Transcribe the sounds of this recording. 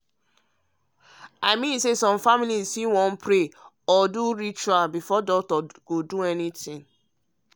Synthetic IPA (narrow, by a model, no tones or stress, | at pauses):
aɪmĩnsesɔ̃mfamilizsiwɔ̃n̩pɹe | ɔduɾit͡ʃualbifɔdɔk̚tɔɡ̥oduɛnitĩŋ